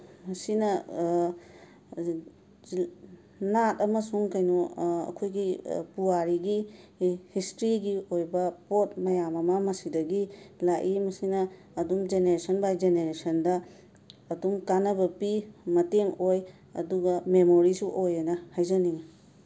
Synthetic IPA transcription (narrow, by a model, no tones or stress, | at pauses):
mɐsinɐ | natɐmɐsuŋkɐjnuɐ̰kʰojɡipuaɾiɡi | histɾiɡiojbɐpot̚mɐjamɐmɐmɐsidɐɡilaʔimɐsinɐː | dumd͡ʒeneɾesɐnbajd͡ʒeneɾesɐndɐː | dumkanɐbɐpimɐteŋoj | ɐ̰duɡɐmemoɾisuʔojɐnɐhajzɐniŋ